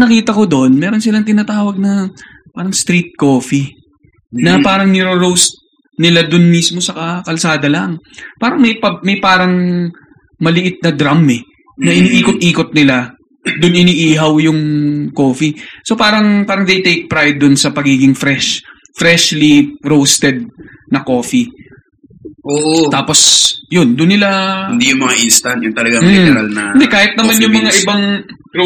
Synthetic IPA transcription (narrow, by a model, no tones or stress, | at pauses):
nɐkiːt̪ɐko̞d̪oʔnmɛːɾo̞nsɪlaŋt̪ɪnat̪aːwɐɡ̚nɐ | paːɾɐŋst̪ɾit̪̚koːfi | nɐpaːɾɐŋnɪɾoɾowst̪̚ | nɪlad̪ʊnmismo̞sɐkɐkɐlsaːd̪ɐlɐŋpaːɾɐŋmɐjpɐmɐjpaːɾɐŋ | mɐlɪʔɪt̪̚nɐd̪ɾamɛ | nɐʔɪniːʔiːkot̪̚ʔiːkot̪̚nɪla | d̪ʊnɪniːʔiːɦɐwjʊŋko̞ːfiso̞paːɾɐŋpaːɾɐŋd̪ejt̪ejk̚pɾajd̪ːʊnsɐpɐɡiːɡɪŋfɾɛʃ | fɾɛʃliɾowst̪ɛd̪̚nɐko̞ːfi | ʔoːʔot̪aːpo̞sjond̪ʊnːɪlahɪnd̪ijʊŋmɐŋaʔinst̪ɐnjʊŋt̪ɐlɐɡamɾalnɐd̪ɛkaːhɪt̪̚nɐmanjʊŋmɐŋaʔɪbaŋ